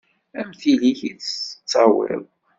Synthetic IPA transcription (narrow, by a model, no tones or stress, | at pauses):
æmθiliçit͡səə̥t͡sːɑwḭw